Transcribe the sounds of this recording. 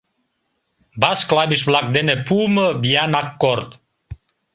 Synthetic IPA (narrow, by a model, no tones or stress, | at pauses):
basklabisblak̚d̪enepuməbianakːɔɾt̪